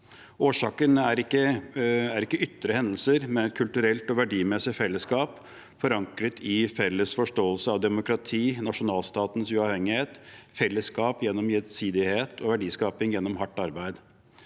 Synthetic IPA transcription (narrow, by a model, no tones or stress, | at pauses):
oːʂɑːkənæɾɪkːəæɾɪkːəʏt̪ːɾəhɛnd̪əl̩səɾmɛnɛt̪̚kʰʉlt̪ʉɾɛlt̪ɔʋæɖiːmɛsɪfɛlːəskɑːp | fɔɾɑŋkɾət̪ʰɪfɛlːəsfɔʂʈoːəlsəɑʋd̪ɛmʊkɾɑt̪ʰiːnɑʂʊnɑːlst̪ɑːt̪nsʉɑʋhɛŋːɪheːt̪fɛlːəskɑːpjɛnːɔmjɛt̪siːd̪ɪheːt̪ʰɔʋæɖiːskɑːpɪŋjɛnːɔmɦɑʈːɑɾbæɪd̪